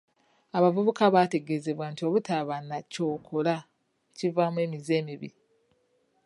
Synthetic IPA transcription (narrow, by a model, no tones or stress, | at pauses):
aβavuβukaβate̞ɡe̞ze̞βwantio̞βutʰaβanːaco̞ːkʰola | civamwe̞ːmize̞ːmiβḭ